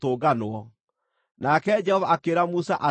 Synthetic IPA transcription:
toːɡanoɔ | nakɛd͡ʒɛhɔvaakeɾamusaʔa

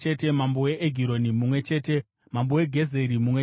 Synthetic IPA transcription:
etemambo̞weʔeɡʱiɾo̞nimumwe̞t͡ʃe̞ːte | mambo̞we̞ɡʱe̞ze̞ɾimumwe

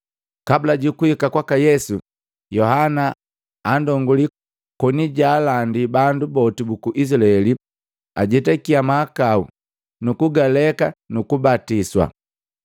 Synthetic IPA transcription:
kabulaɟukuhikakwakajɛsu | jɔhanaː | ndɔŋɡuli | kɔniɟaːlandibandubɔtibukuʔis̬laɛli | aɟɛtɛkiamaːkaṵ | nukuɡalɛkanukubatiswa̰

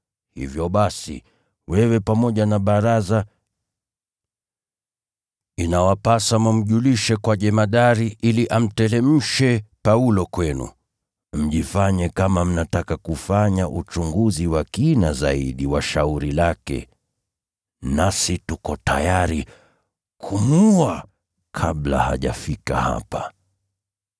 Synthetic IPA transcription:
hḭvjɔɓasḭ | wɛwɛpamɔʄanaɓaɾaza | inawapasamum̩ʄuliʃɛkwaʄɛmaɗaɾiʔiliʔam̩tɛlɛm̩ʃɛpaulɔkwɛnṵ | m̩ʄifaɲɛkamam̩natakakufaɲaʔut͡ʃuŋɡuziwakinazaiɗiwaʃauɾilakɛ̰ | nasitukɔtajaɾi | kʰumua | kʰaɓla̰ha̰ʄa̰fika̰ha̰pa

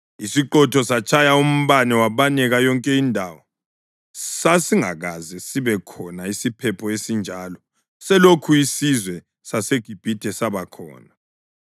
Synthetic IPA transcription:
isiǃɔtʰɔsat͡ʃʰʼajaum̩βanɛwaβanɛɣajɔŋkʼɛindʱawɔ | sasiŋa̰ɣazɛsiβɛkʰɔnaisipʰɛpʰɔesind͡ʒʱaːlɔ | sɛlokʰuisizwɛ | saseɡ̥ʱib̥ʱid̥ʱɛsaβakʰɔ̰ːna

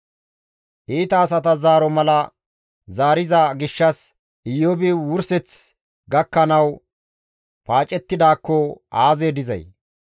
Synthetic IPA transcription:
ʔiːt̪ɐːs̬ɐt̪̬ɐzaːɾɔmɐlɐ | zaːɾɪzɐɡɪʃːɐs | ɪjːɔbɪwʊɾsɛt͡s | ɡɐkːɐnɐw | paːt͡ʃʼɛt̪ːɪd̪aːkːɔaːzeːd̪ɪzɐ̰j

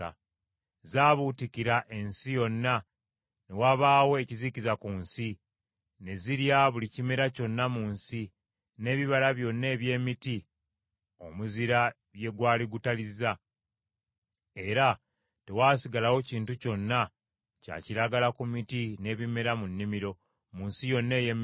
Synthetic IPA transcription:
a̰ | zaːβutikiɾaʔe̞nsijo̞nːa | ne̞waβaːwo̞ecizicizakuːnsi | ne̞ziɾjaβulicime̞ɾaco̞nːamuːnsi | ne̞ːβiβalaβjo̞nːe̞ːβje̞ːmiti | o̞̰muziɾa | je̞ɡwaːliɡutaliza | e̞ɾa | te̞waːsiɡalawo̞ciːntuco̞nːa | ca̰ːciɾaɡalakumitine̞βime̞ɾamunːimiɾo̞ | muːnsijo̞nːe̞ːjem

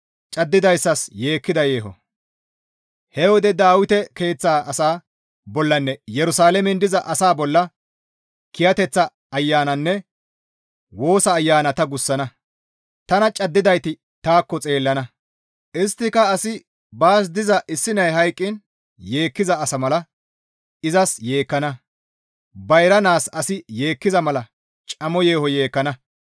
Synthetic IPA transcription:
t͡ʃʼɐd̪ːɪd̪ɐjsːɐsje̞ːkːɪd̪ɐje̞ːɦɔ̰ | hɛwɔd̪ɛd̪aːwɪt̪ɛke̞ːt͡sːaːɐsaː | bɔlːɐnːɛjɛɾʊsaːlɛmɪnd̪ɪzɐʔɐsaːbɔlːɐ | kɪjɐt̪ɛt͡sːɐ | ɐjːaːnɐnːɛ | wo̞ːsɐːjːaːnɐt̪ɐɡʊsːɐnɐ | t̪ɐnɐt͡ʃʼɐd̪ːɪd̪ɐjt̪ɪ | t̪aːkːɔt͡sʼe̞ːlːɐnɐ | ʔɪst̪ːɪkɐɐsɪ | baːs̬d̪ɪzɐʔɪsːɪnɐjɦɐjkʼːɪn | je̞ːkːɪzɐːsɐmɐlɐ | ɪzɐsje̞ːkːɐnɐ | bɐjɾɐnaːsɐsɪjeːkːɪzɐmɐlɐ | t͡ʃʼɐmɔjeːhɔje̞ːkːɐnɐ

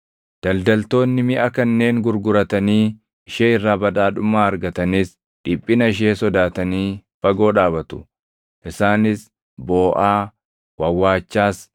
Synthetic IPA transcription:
d̪̥ɐld̪ɐlt̪o̞ːnːɪmɪʔɐkɐnːe̞ːŋɡʊɾɡʊɾɐt̪ɐniː | ɪʃeːɪrːaːbɐᶑ̪aːᶑʊmaːɐɾɡɐt̪ɐnis | ᶑɪpʼːɪnɐɪʃ̬eːsɔd̪aːt̪ɐniːfɐɡo̞ːᶑaːbɐt̪ʊ̥ | ʔɪsaːnɪs | bo̞ːʔaː | wɐwːaːt͡ʃːaːs

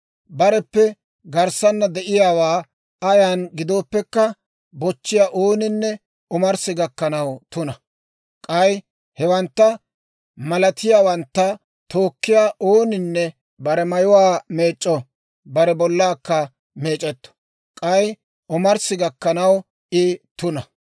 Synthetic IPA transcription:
bɐɾɛpːɛ | ɡɐɾsɐnːɐd̪ɛʔɪjaːwaː | ɐjanɡɪd̪o̞ːpːɛkːɐ | bɔt͡ʃːɪjaːʔoːnɪnːɛ | ɔmɐɾsɪɡɐkːɐnɐwt̪ʊnɐ | kʼɐj | hɛwɐnt̪ːɐ | mɐlɐt̪ɪjaːwɐnt̪ːɐ | t̪o̞ːkːɪjaːʔoːnɪnːɛ | bɐɾɛmɐjʊwaːme̞ːt͡ʃʼːɔ | bɐɾɛbɔlːaːkːɐ | me̞ːt͡ʃʼɛt̪ːɔ̥ | kʼɐj | ɔmɐɾsɪɡɐkːɐnɐw | ɪt̪ʊnɐ

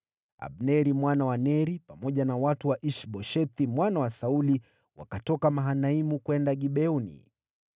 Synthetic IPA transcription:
a̰ɓnɛɾimwanawanɛɾipamɔʄanawatuwaʔiʃɓɔʃɛt̪imwanawasauli | wa̰katɔkamaɦanaimukwɛndaɠiɓɛunḭ

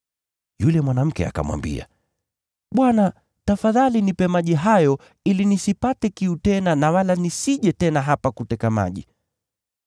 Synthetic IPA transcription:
julɛmwanam̩kɛa̰ka̰mwa̰mbḭa̰ | ɓwana | tafaðalinipɛmaʄiɦajɔ | ilinisipatɛkiutɛnanawalanisiʄɛtɛnaɦapakutɛkama̰ʄḭ

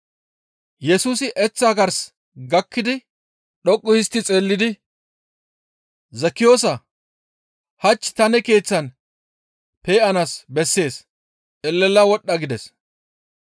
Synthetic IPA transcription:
jɛsuːsɪʔɛt͡sːaːɡɐɾs | ɡɐkːɪd̪ɪ | ɗɔkʼːʊjɪst̪ːɪt͡sʼeːlːɪd̪ɪ | zɐkːɪjo̞ːsɐ | hɐt͡ʃːt̪ɐnɛke̞ːt͡sːɐn | peːɐnasbɛsːe̞ːs | ɛlːɛlːɐwɔɗːɐɡɪd̪ɛs

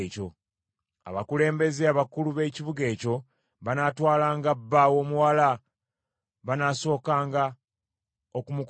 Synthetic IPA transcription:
co̞ | a̰βakule̞ːmbe̞zeaβakuluβe̞ːciβuɡe̞ːco̞ | βanaːtwaːlaːŋɡabːawo̞ːmuwala | βanaːso̞ːkaːŋɡa | okumuk

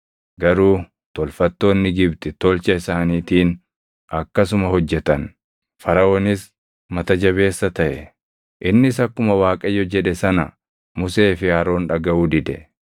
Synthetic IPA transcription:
ɡɐɾuː | t̪ɔlfɐt̪ːo̞ːnːɪɡɪbt̪ɛt̪ɔlt͡ʃɐɪsaːniːt̪iːn | ɐkːɐsʊmɐɦɔd͡ʒːɛt̪ɐn | fɐɾɐoːnɪs | mɐt̪ɐd͡ʒɐβe̞ːsːɐt̪ɐʔɛ | ʔɪnːɪsɐkːʊmɐwaːkʼɐjːɔd͡ʒɛᶑɛsɐnɐ | mʊse̞ːfɪaːɾo̞ːnᶑɐɡɐuːd̪ɪd̪ɛ

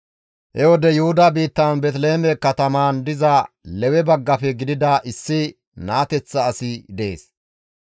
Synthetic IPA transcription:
hɛwɔd̪ɛjʊhʊd̪ɐbiːt̪ːɐnbɛt̪leːmɛkɐt̪ɐmand̪ɪzɐ | lɛwɛbɐɡːɐfɛɡɪd̪ɪd̪ɐʔɪsːɪ | naːt̪ɛt͡sːɐːsɪd̪ɛeːs

